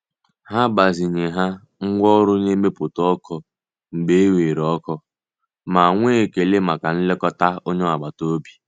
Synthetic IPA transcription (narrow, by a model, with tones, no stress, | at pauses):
ha˦ba˨zi˨ɲe˨ɦa˦ | ŋ̩˦ɡʷɔ˦ɾʊ˦ɲe˦me˦pʊ˨tɔ˦kʰɔ˦ | ŋ͡m̩˨ɡ͡be˦e˦we˨ɾɔ˦kɔ˦ | ma˨ŋʷe˦e˨ke˨le˦ma˨ka˨n̩˦le˦kɔ˦ta˦o˦ɲɔ˦a˨ɡ͡ba˨to˦bi̥˦